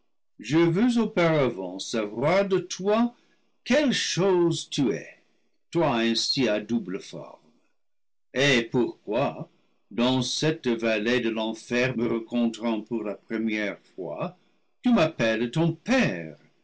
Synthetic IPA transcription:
ʒəvøzopaʁavɑ̃savwaʁd̪ətʰwa | kɛlʃoztʰyɛ̰ | twaɛ̃siadubləfɔ̰ʁm | epuʁkwa | d̪ɑ̃sɛtvaledəlɑ̃fɛʁməʁɑ̃kɔ̃tʁɑ̃puʁlapχəmjɛʁfwa̰ | tymapɛltɔ̃pɛːʁ

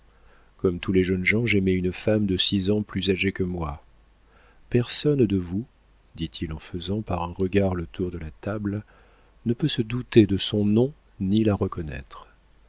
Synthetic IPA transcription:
kɔmt̪ulɛʒənʒɑ̃ʒemeynfamd̪əsizɑ̃plyzaʒekəmwa | pɛʁsɔnd̪əvu | d̪it̪ʰilɑ̃fəzɑ̃paʁɛ̃ʁəɡaʁlət̪uʁd̪əlat̪abl | nəpøsəd̪ut̪ed̪əsɔ̃nɔ̃ | nilaʁəkɔnɛ̰t̪χ

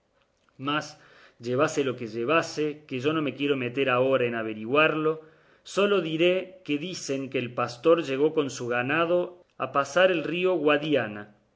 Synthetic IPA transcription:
mas | ʒe̞β̞aselo̞keʒeβ̞asekeʒo̞no̞me̞kje̞ɾo̞me̞t̪e̞ɾao̞ɾaenaβ̞e̞ɾiɣwaɾlo̞ | so̞lo̞ðiɾe̞keðise̞ŋkeːlpast̪o̞ɾʒe̞ɣo̞ko̞nsuɣanað̞o̞ | a̰pasaɾelrio̞ɣwaðjana

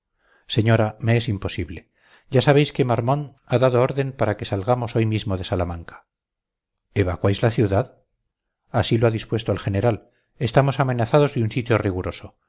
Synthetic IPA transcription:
se̞ɲo̞ɾame̞esimpo̞siβle̞ | ɟ͡ʝasaβ̞e̞jskemaɾmõ̞n | aðaðooɾðe̞mpaɾake̞salɣamo̞so̞jmizmoðe̞salamãŋkḁ | e̞βakwajzlaθjuðað | asiloaðispwest̪oalxe̞ne̞ɾal | e̞st̪amo̞same̞naθaðo̞zðeunsit̪joriɣ̞uɾo̞so̞

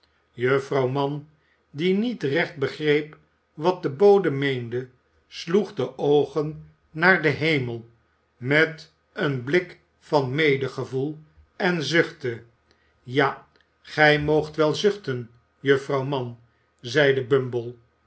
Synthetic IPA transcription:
jəfrɑwmɑn | dinitrɛχt̚bəχrejp | ʋɑt̚dəbowdəmejndə | sluχdəʔowχənː | aːɹdəɦejməlˠ | mɛt | ənblɪk | fɑnmejdəχəvulˠ | ɛnzʏχtə | ja | χɛjmowχtʋɛlˠzʏχtən | jəfrɑwmɑn | zɛjdəbɵmbəlˠ

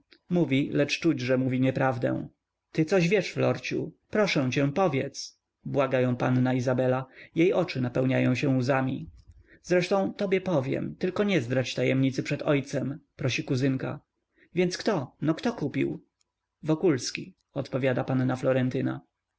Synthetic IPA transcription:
muvʲilɛt͡ʂt͡ʂud͡ʑʐɛmuvʲiɲɛpɾavd̪ɛ̰̃ | t̪ɘt̪sɔʑvʲjɛʂflɔɾt͡ɕṵpɾɔʂɛ̃w̃t͡ɕɛ̃pɔvʲjɛt̪s | bwaɡajɔ̃w̃panːaizabɛlajejʔɔt͡ʂɘnapɛwɲajɔ̃w̃ɕɛ̃uzamʲi | zɾɛʂt̪ɔ̃w̃t̪ɔbʲjɛpɔvʲjɛ̰mt̪ɘlkɔɲɛzb̪ɾat͡ɕt̪ajɛmɲit̪sɘpʂɛt̪ɔjt̪sɛmpɾɔɕikuzɘŋka̰ | vʲjɛnt̪skt̪ɔnɔkt̪ɔkupʲḭw | vɔkulskʲḭ | ɔt̪pɔvʲjad̪apanːaflɔɾɛnt̪ɘna̰

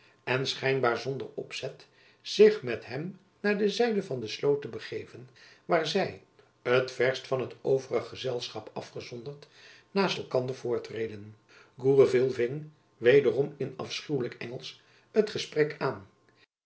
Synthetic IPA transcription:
ɛnsχɛjnbaːɹzɔndə̰ɹɔ̰psɛt | z̥ɪχmɛtɦɛm | naːɹdəzɛjdəvɑndəslowtəbəχejvən | ʋaːɹzɛj | ətfɛɹstfɑnɦətowvərəχəzɛlˠsχɑpɑ̰fχəzɔndəɹt | naːstɛlˠkɑndəɹv̥ʊːɹtrejdən | ɡuːrəvɪlˠvɪŋ | ʋejdərɔmɪnɑ̰fsχywləkɛ̰ŋəlˠs | ətχəsprɛkʰaːn

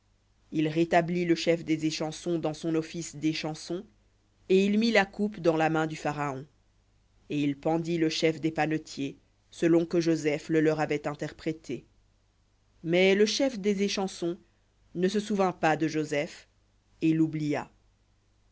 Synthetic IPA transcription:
ilʁet̪abliləʃɛfd̪ezeʃɑ̃sɔ̃d̪ɑ̃sɔ̃nɔfisd̪eʃɑ̃sɔ̃ | eilmilakupd̪ɑ̃lamɛ̃d̪yfaʁaɔ̃ | eilpɑ̃d̪iləʃɛfd̪epanot̪je | səlɔ̃kəʒozɛfləlœʁavɛt̪ɛ̃t̪ɛʁpχet̪ʰe | mɛləʃɛfd̪ezeʃɑ̃sɔ̃ | nəsəsuvɛ̃pad̪əʒozɛf | elublija

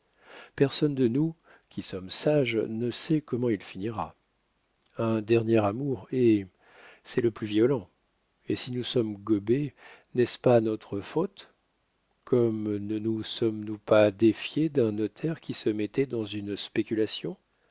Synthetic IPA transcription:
pɛʁsɔnd̪ənu | kʲisɔmsaʒnəsɛkɔmɑ̃ilfiniʁa̰ | ɛ̃d̪ɛʁnjɛʁamuʁe | sɛləplyvjɔlɑ̃ | esinusɔmɡɔbenɛspanɔt̪χəfot̪ | kʰɔmnənusɔmnupad̪efjed̪ɛ̃nɔt̪ʰɛʁkʲisəmɛt̪ɛd̪ɑ̃zynspekʲylasjɔ̃

